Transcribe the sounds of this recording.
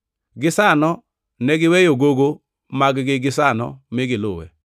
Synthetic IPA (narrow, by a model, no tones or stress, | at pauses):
ɡɪsanɔ | nɛɡɪwɛjoɡoɡo | maɡɡɪɡɪs̬anɔ̰mɪɡɪlʊwɛ̰